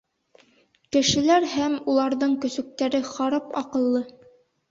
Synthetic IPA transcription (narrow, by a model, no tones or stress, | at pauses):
kɘ̆ʃɘ̆læɾhæmulˠɑɾðɤɴkɵ̆sɵ̆k̚t̪æɾɘχɑɾɑpɑqɤ̆lˠːɤ